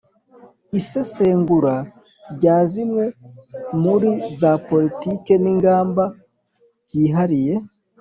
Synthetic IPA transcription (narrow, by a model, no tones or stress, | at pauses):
ise̞se̞ːŋɡuɾa | ɾɟaːzimwe̞muɾizapo̞litike̞niŋɡaːmba | ɟiːɦaɾije̞